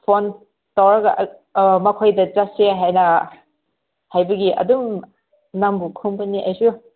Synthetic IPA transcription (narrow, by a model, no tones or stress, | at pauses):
pʰɔn | tɔɾɐɡɐʔmɐkʰojdɐd͡ʒaseɦajnɐ | hajbɐɡiʔɐ̰dum | nambukʰumpɐniʔajsu